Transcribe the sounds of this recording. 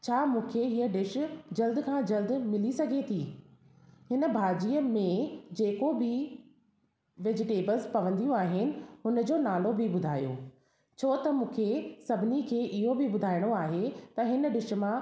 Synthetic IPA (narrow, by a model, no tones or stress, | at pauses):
t͡ɕʰaːmũːkʰeɦiːəɖɪʃʊ̆d͡ʑɐld̪kʰãːd͡ʑɐld̪mɪlisɐɡʱet̪ʰiː | ɦɪnə̆bʱaːd͡ʑiːəmẽd͡ʑeːkobɪ | ʋed͡ʑɪʈeːbəlzpɐʋə̃nd̪ijũaːɦɪnɪ̆ɦʊnəd͡ʑoːnaːlobɪbʊd̪ʱaːijo̰ː | t͡ɕʰoːt̪ɐmũːkʰesɐbʱɪnikʰeːʔɪɦobɪbʊd̪ʱaːɪɽ̃oaːɦet̪ɐɦɪnɖɪʃ̆mã